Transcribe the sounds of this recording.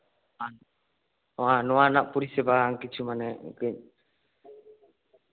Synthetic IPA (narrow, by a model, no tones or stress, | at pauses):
anɔanaʔpuɾisɛbaŋkit͡ʃumanɛkiɲ